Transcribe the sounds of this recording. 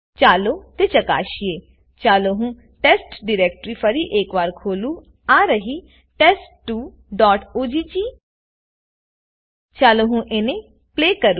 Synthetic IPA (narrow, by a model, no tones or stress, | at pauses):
t͡ʃaːloːt̪eːt͡ʃəka̰ːʃieː | t͡ʃaːloɦũː | ʈɛːsʈɖɪɾɛːk̚ʈɾipʰəɾiːʔeːkʋaːɾkʰoːluː | aːɾəɦiː | ʈɛːsʈʈːuː | ɖɔːʈoːd͡ʒiːt͡ʃiː | t͡ʃaːloɦũːʔeːnẽ | pleːkəɾu